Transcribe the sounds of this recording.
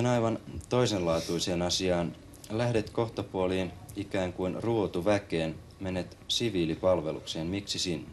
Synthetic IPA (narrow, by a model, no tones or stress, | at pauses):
enɑjʋɑnt̪o̞isenlɑːt̪uise̞ːnɑsiɑːn | læhde̞t̪ko̞xt̪opuoliːnikæːŋkuinruot̪uʋækeːn | me̞nːet̪siʋiːlipɑlʋe̞lṵkseːnmiksisinːe